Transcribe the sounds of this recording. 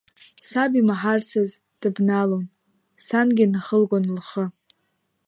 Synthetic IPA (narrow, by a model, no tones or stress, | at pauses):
sabimaħarsɨz | d̥ɨbnalon | sanɡʲɪnaχəlɡʷonlχə